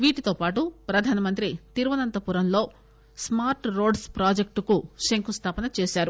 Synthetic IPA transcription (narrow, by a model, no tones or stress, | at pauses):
ʋiːʈit̪oːpaːʈupɾɐd̪ʱaːnɐmɐnt̪ɾit̪iɾʋɐnɐnt̪ɐpuɾɐmlo̞ː | smaːɾʈɾo̞ːɖspɾaːd͡ʒek̚ʈkuʃeŋkʰust̪ʰaːpɐnɐt͡ʃeːʃaːɾu